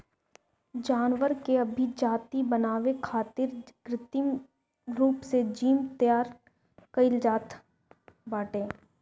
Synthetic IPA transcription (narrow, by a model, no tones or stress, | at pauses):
d͡ʒaːnʋəɾkeɐbʱid͡ʒaːt̪ibənaːʋekʰaːt̪ɪɾɡɾɪt̪ɪm | ɾuːpsed͡ʒiːmt̪əjaːɾ | kɐɪld͡ʒaːt̪ | baːʈẽː